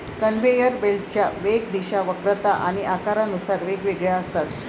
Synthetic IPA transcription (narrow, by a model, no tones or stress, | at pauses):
kənʋejəɾbelt͡ɕjaʋek̚d̪iɕaʋəkɾət̪aʔaɽ̃iʔakaɾanusaɾʋekʋeɡɭjaəst̪at̪